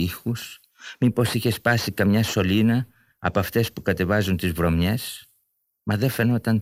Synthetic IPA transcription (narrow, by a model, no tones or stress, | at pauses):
ixus | mipo̞siçe̞spɐsikɐmɲɐso̞linɐ̰ː | poɐft̪e̞spukɐt̪e̞vɐzunt̪izvɾo̞mɲe̞s | mɐðefe̞no̞t̪ɐn